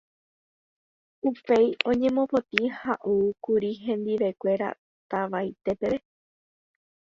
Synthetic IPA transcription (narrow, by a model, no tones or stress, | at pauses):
upe̞jõ̞ɲẽ̞mõ̞po̞t̪ĩhaʔukuɾiɦẽ̞nd̪iʋe̞kʷe̞ɾa̰ | t̪aʋajt̪e̞pe̞ʋe